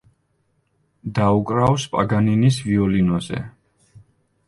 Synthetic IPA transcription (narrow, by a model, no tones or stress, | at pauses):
d̪aukʼɾawspʼaɡaninisviɔlinɔzɛ̰